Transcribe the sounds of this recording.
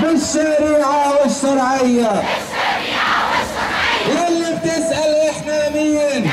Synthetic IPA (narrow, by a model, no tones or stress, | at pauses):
bɪʃːaɾiːʕawɪʃːɑɾˤʕɪjːa | walːɪb̚t̪ɪsʔalʔɪħnamɪjːɪn